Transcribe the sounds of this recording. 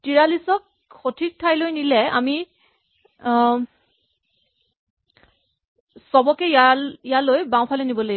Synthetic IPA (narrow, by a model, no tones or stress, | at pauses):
tiɹalisɔk̚ | xotʰik̚tʰajlojnilɛa̰mi | sɔbɔkɛjaijalojbãw̃pʰalojnibɔlo